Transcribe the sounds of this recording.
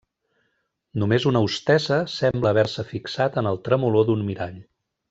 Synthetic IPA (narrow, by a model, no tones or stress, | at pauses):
numezunəust̪ɛzəsɛmbləːβɛɾsəfiksat̪ənəlˠt̪ɾəmuloðunmiɾaʎ